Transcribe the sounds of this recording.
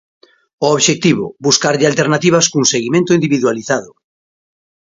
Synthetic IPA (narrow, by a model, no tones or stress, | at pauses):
ooβʃek̚t̪iβʊ̰buskaɾʎɪalt̪eɾnat̪iβɐskuŋseɣimẽnt̪ʊind̪iβiðwaliθaðʊ